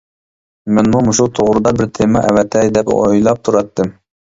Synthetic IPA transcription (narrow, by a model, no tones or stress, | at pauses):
mɛnmumuʃut̪ʰoʁɾɨd̪ɑbɪɾt̪ʰemɑʔɛ̰vɛt̪ʰːɛd̪ɛpo̰jlˠɑp̚t̪ʰuɾɑt̪ʰːɨm